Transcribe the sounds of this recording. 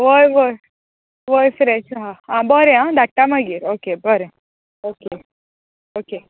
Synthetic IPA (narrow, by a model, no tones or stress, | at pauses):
ʋojʋoj | ʋojfɾɛʃɦaãbɔɾeãd̪aʈ̚ʈːamaɡiɾokebɔɾe | oke | oke